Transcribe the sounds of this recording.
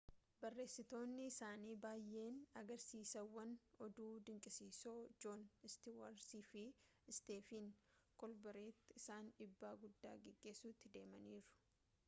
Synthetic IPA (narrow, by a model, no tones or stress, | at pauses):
bɐrːe̞ːsɪt̪o̞ːnːɪɪsaːniːbaːjːe̞ːnɐɡɐɾsiːsɐwːɐnɔd̪uːd̪ɪŋkʼɪsiːsoːd͡ʒonɪst̪iwɐɾsiːfɪ | ɪst̪e̞ːfinkɔlbɐɾeːt̪ːɪɪsaːnᶑɪbːaːɡʊd̪ːa̰ːɡɛɡːe̞ːsuːt̪ːɪd̪e̞ːmɐniːɾʊ̥